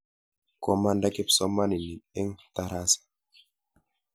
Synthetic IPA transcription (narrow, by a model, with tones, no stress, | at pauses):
kɔma˦nda˦kɛ˦psɔ˦mːa˦ni˨ni˨ɗɛ˦ŋtaɾa˦sḁ